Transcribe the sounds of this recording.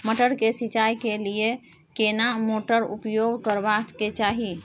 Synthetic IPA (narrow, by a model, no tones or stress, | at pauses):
məʈəɽkesit͡ʃajkelije | kenamoʈəɾṵpjoɡʱkəɾbat̪ket͡ʃaɦi